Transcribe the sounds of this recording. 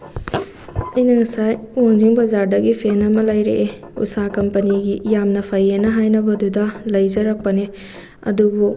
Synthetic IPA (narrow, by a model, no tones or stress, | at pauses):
ɐjnɐŋisajwoŋziŋbɐzaɾdɐɡipʰenɐmɐlɐjɾeʔe | ṵsakɐmpɐniɡijamnɐpʰajenɐɦajnɐbɐdudɐlɐjzɐɾɐk̚pɐne | ɐ̰dubu